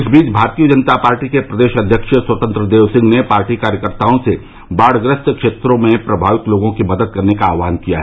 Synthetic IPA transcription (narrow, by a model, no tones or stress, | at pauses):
ɪsbiːt͡ʃbʱaːɾt̪ijəd͡ʒɐnət̪apaːɾʈikepɾɐd̪eːʃɐd̪ʱjəkʃəswɐt̪ə̃nt̪ɾəd̪eːʋsɪ̃ŋɡnepaːɾʈikaːɾjəkəɾt̪aːõse | baːɽ̤ɡɾəst̪kʃeːt̪ɾõmẽpɾɐbʱaːʋɪk̪loːɡõkimɐd̪əd̪̚kɐɾnekaaːʋaːnkija̰ɦɛː